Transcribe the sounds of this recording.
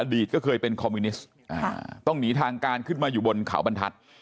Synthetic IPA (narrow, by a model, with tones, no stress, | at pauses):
ʔaː˧di˨˩t̪̚kɔː˥˩kʰɤː˧jpe˧nkʰɔː˧miː˧ni˦˥s | ʔa̰ː˧t̪ɔ˥˩ŋniː˨˦˥t̪ʰaː˧ŋkaː˧nkʰɯ˥˩nmaː˧juː˨˩bo˧nkʰa̰˩˦wba˧nt̪ʰa̰˦˥t̪̚